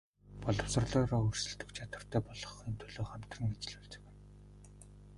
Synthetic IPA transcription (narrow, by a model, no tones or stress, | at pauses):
pɔɮɞ̆wsə̆rɮɔːɾɔːur̥sɵ̆ɮt̪ɵ̆kt͡ɕʰat̪wə̆r̥t̪ʰœːpɔɮɞ̆χent̪ʰɵɮoːχæm̥t̪rə̆ŋet͡ɕɪ̆ɮɵɮt͡sɵ̥̆kɘ̆n